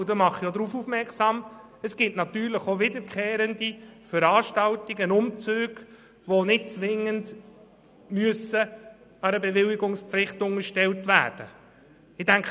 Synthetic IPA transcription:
d̪əmɑχːijod̪ɾuːfufmɛɾksɑm | əsɡ̥ɪtnɑt̪yːɾləχoʋɪd̪əɾkʰeːɾəndifəɾɑːʃtɑltiɡənʊmt͡søːɡ̥ | ʋonɪt̚t͡sʋɪŋənd | myəsə | ɑɾəbɛʋɪliɡʊŋspflɪχtʊŋəɾʃtɛltvæ̰ːd̥ə | ɪdæŋkχ

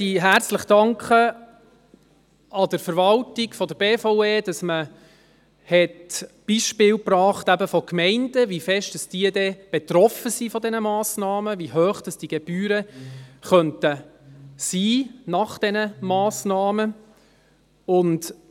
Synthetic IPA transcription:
iːɦæɾt͡sləχd̥ɑŋkχə | ɑd̥əɾfəɾʋɑltɪɡ̥fɔdəɾb̥eːfoʊeːd̥ɑsmə | hɛtb̥iʃpɪːwprɑːχtæbəfɔkmɛɪnd̥əvifɛʃtd̥ɑsd̥iːədɛb̥ɛtrɔfəsifɔdɛnəmɑːsnɑːməviɦœːχd̥ɑsd̥iɡ̥eb̥yːɾəχœntə | siːnɑχd̥ɛnəmɑːsnɑːmə | ʊnt

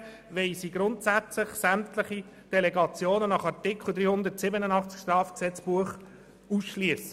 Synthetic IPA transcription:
ʋɛɪsiɡɾʊntsæt͡sləχsæmtləχi | d̥ɛlɛɡɑt͡sjoːnənɑχɑɾtɪkʰl̩ˠd̪ɾiːhʊnd̪ətsɪbənənɑχt͡skʃtɾɑːfksɛt͡sb̥uəχ | usʃliəsə̥

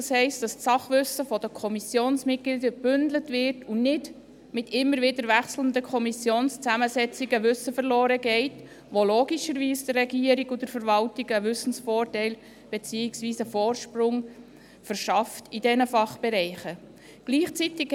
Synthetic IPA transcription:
ɑshɛɪst̚d̥ɑstsɑχʋʏsəfɔd̥əkʰɔmisjoːnsmɪt̚ɡ̥lidəb̥ʏndlətvɪɾtʰʊnɪd | mɪtʰɪmːəɾʋɪdəɾʋæχsləndəkʰɔmisjoːnst͡sæməsɛt͡siɡəʋʏsəfəɾlɔːɾəɡɛɪt | ʋoloːɡiʃəɾʋiːsd̥ərːɛɡiəɾiɡʊdəɾfəɾʋɑltiɡəʋʏsn̩sfɔːrtɛɪl | b̥et͡siːɪksʋiːsəfɔːrʃprʊŋ | fəɾʃɑftidɛnəfɑχb̥ɛɾɛɪχə | ɡ̥liːχt͡sitɪk

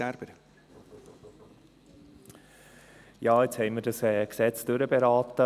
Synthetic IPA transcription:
æɾb̥əɾ | jɑːet͡shɛɪmədəsɛːksɛt͡sd̥øɾəbeɾɑːt̪ə

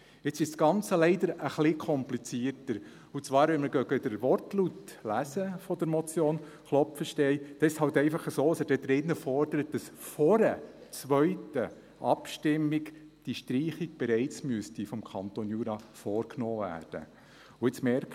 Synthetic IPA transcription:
ɪt͡sɪʃsɡ̥ɑnt͡səlɛɪd̪əɾəχlɪkʰɔmplit͡siːrtəɾ | ut͡sʋɑːɾʋɛnməɾɡœɡədəɾʋɔrtlutlæsəfɔd̥əɾmɔt͡sjoːn | χlɔpfəʃtɛɪd̥ɛɪʃhɑltɛɪfɑχəsoːəsədɛd̥̪ɾɪnːəfɔrdəɾət̚d̥ɑsfɔɾət͡sʋœʏtə | ʔɑ̰pʃtɪmːikd̥iʃtɾiːχik̚b̥ɛɾɛɪt͡smyəstifɔmkʰɑnt̪onjuːɾɑfɔːɾknoːvæ̰ːrd̥ə̰ | ʊɪt͡smɛɾk

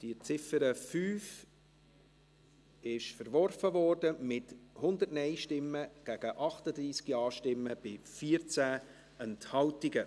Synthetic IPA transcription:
d̥iət͡sɪfəɾəfyːf | ɪʃfəɾʋɔɾfəvɔrdəmɪthʊnd̪ətnɛjʃtɪmːəɡ̥æɡ̥əʔɑχtəd̪ɾiːskiɑːʃtɪmːəb̥ɪfiːəɾt͡sæː | ɛnthɑltɪɡə

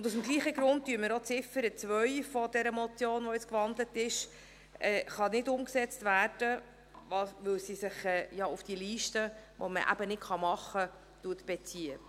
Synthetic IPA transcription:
ʊndusm̩ɡliːχəɡɾʊnt̚tyːəɾməɾot͡sɪfːəɾət͡sʋœʏfɔd̥ɛɾəmɔt͡sjoːnʋɔjɪt͡skʋɑndlətɪʃ | ɛːχɑnɪdʊmksɛt͡stvæːɾd̥ə | vɑsʋʏlsisɪχɛːjɑːufd̥iəliːʃtəʋʔɔ̰mə̰ʔæ̰bənɪtχɑmɑχə | tuətb̥ɛt͡siə

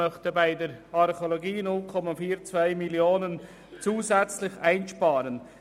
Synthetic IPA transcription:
œxtəbaɪdəɾɑʁχoloɡiːnʊlkʰɔmafiːɾt͡svaɪmiljoːnən | t͡suːzɛt͡slɪçaɪnʃpɑːɾən

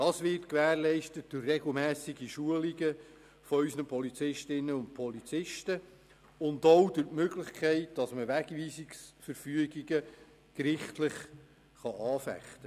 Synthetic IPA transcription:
d̥ɑːsʋɪrtkʋæːɾlɛɪʃtət̚d̥ʊrrɛɡl̩ˠmæːsiɡiʃuəliɡə | fɔœʏsnəpʰɔlit͡sɪʃtɪnːəʊnt̚pʰɔlit͡sɪʃtə | ʊndoʊd̥ʊtmøɡlɪχkʰɛɪt̚d̥ɑsməʋæɡviːsiksfəɾfyəɡiɡə | kɾɪχtlɪχ | χɑʔɑːfæ̰χtə

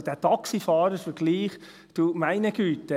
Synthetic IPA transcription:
d̥æːtɑksifɑːɾəfəɾɡ̥liːχ | d̥umæɪnəɡ̥yːt̪ə

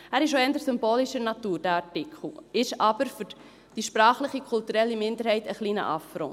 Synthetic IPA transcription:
æːɾɪʃoɛndəɾsʏmboːliʃəɾnɑt̪uːɾd̥æɾɑɹtɪkχl̩ɪʃɑb̥əɾfʏɾ | d̥iʃpɾɑːχlɪχikʰultuɾɛlːimɪndəɾhɛɪtəχliːnə̰ʔɑfɾo̰ː

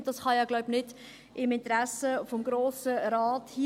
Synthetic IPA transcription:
dɑsχɑjɑːɡlaʊbnɪd̥ | ɪmɪntɾæsəfɔmɡɾoːsəɾɑːthi

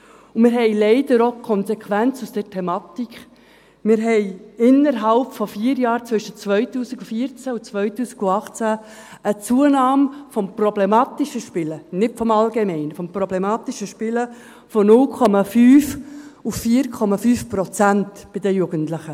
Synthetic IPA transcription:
ʊmɪɾɦɛɪlɛɪdəɾokʰɔnsɛkχʋænt͡susd̥əɾtʰɛmɑːt̪ik | mɪɾɦɛɪɪnːəɾɦɑlpfɔfiːɾjɑːɾt͡sʋʏʃət͡sʋœʏtuːsiɡufiəɾt͡sæut͡sʋœʏtuːsiɡ̥uɑχt͡sæ | ət͡suːənɑːmfɔmprɔblemɑːt̪iʃəʃpɪlənɪtfɔmɑlɡemɛɪnfɔmprɔblemɑːt̪iʃəʃpɪlə | fɔnʊlkʰɔmɑfyːfufːiːəɾkʰɔmɑfyːfpɾɔt͡sæntb̥ɪd̥əjuːɡ̥əntlɪχə

